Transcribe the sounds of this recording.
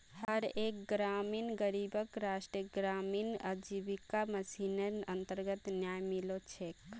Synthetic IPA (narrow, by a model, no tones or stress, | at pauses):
həɾeːk̚ɡɾaːmiːnɡəɾibəkɾaːʃʈɾiəɡɾaːmiːnəd͡ʒiʋikaməsinəə̃nt̪əɾɡət̪njaːjmilot͡ʃʰeːk